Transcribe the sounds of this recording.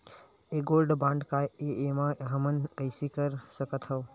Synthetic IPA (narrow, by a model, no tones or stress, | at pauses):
eɡolɖbãɳɖkaeemaɦəmənkəɪsikəɾsəkət̪ʰɦəw